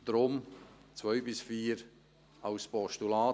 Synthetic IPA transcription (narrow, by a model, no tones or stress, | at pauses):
d̥̪ɾʊmt͡svœʏbɪsfiːɾ | aʊspɔʃtulaː